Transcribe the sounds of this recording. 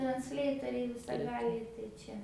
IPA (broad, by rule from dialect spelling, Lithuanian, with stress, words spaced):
trɐnʲsʲˈlʲɛɪtoːrʲɛɪ ʋʲɪsɐˈɡɑːlʲɛɪ tɐɪ ˈt͡ʃʲɛ